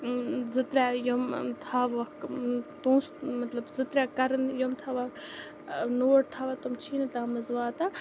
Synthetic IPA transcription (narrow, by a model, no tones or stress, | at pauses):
zɨt̪ɾʲajomt̪ʰaːʋɐkpũːsmɐt̪lɐbzɨt̪ɾʲakɐɾɐnjomt̪ʰaʋɐk | noːʈt̪ʰaʋat̪umt͡ʃʰiːnt̪amɐzʋaːt̪a